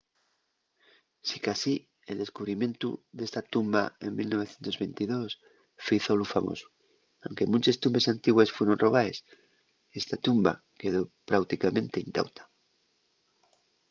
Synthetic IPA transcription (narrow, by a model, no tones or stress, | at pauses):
sikasi | e̞ld̪e̞skuβɾimjẽ̞nt̪ṵðe̞st̪at̪umba̰e̞nmilno̞β̞e̞θjent̪o̞zβe̞nt̪iðo̞s | fɾiθo̞lufamo̰su̥ | awŋke̞mũnt͡ʃe̞st̪umbe̞sant̪iɣwe̞sfwe̞ɾo̞nro̞β̞ae̞s | e̞st̪at̪umba̰ | ke̞ð̞o̞pɾawt̪ikamẽnt̪e̞int̪a̰wt̪ḁ